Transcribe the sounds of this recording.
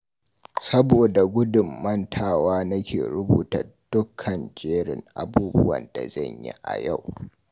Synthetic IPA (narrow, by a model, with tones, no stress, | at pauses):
sɐ˦boː˨da˨ɡʷʊ˦dʊ˨mːɐ˦ntʰaː˨waː˦nɐ˦kʲeː˨ɽʊ˦buː˨tɐ̰˨rd̥ʊ˦kʰːɐ˨nd͡ʒeː˦ɽɪ̰˨ŋʔa˨buː˦bʊ˦wɐ̰˨nda̰˨zɐ˦˨ɲjḭ˦ʔa̰˨ja˦˨w